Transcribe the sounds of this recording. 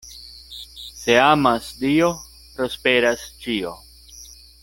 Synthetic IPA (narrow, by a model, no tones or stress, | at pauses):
se̞amasdio̞ | pɾo̞spe̞ɾast͡ʃio̞